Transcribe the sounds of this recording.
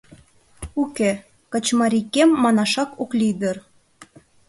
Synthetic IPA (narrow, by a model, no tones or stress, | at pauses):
uke | kə̆t͡ɕmɑɾʲikemːɑnɑʃɑkoklʲid̪ər